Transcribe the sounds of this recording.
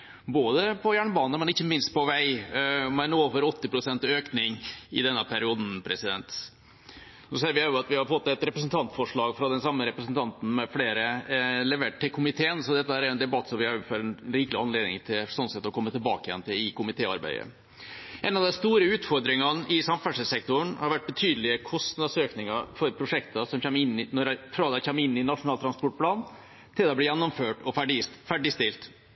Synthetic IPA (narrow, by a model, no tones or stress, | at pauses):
boːd̪əpʰɔjæːɳbɑːnəmɛnɪçːəmɪnst̪̚pɔʋæɪmɛnoːfɔɾɔt̪ːɪpɾʊsɛnt̪øːknɪŋɪ̰d̪ɛnːəpʰæɾɪuːd̪n̩pʰɾɛsɪd̪ɛ̰nt̪ | noseːɾʋɪæːʊɑt̪ʋɪhɑɾpʰɔmmoːt̪ːɛt̪ɾɛpɾəs̬nt̪ʰɑnt̪fɔʂɭɑːɡfɾɑd̪ɛnsɑmːəɾɛpɾəsn̩t̪ʰɑnt̪n̩mɛfleːɾəlɛʋeːʈ̚ʈːɪlkʰʊmɪt̪ʰeːənsɔd̪ɛt̪ːəhæːɾæɾɛnd̪ɛbɑt̪ːsɔmʋɪɑfɔɾɛnɾɪːkəlɪɑnleːd̪nɪ̰ŋt̪ʰɪlsɔnsɛt̪ːɔkʰɔmːət̪ʰɪlbɑ̰ːkəjɛ̰nt̪ʰɪlɪkʊmɪt̪ʰeːɑɾbæ̰ɪə̰ | ʔɛnːɑʋd̪ɛnst̪uːɾəʉːt̪fɔɾd̪ɾɪŋɑnʔɪsɑmfæʂəsɛk̚t̪ʊɳhɑɾʋæʈ̚ːbət̪ʰyːd̪əlɪəkʰɔst̪n̩ɑsøːknɪŋɑfɔɾpʰɾʊʂɛkt̪əsɔmçɛmːɪnːɪnɔɾɛfɾɑːd̪ɛɪçɛmːɪnːɪnɑʂʊnɑːlt̪ʰɾɑnspɔʈ̚pʰlɑːn | t̪ʰɪlɛblɪjɛnːɔmføːʈɔfæɖɪfæɖɪst̪ɪlt̪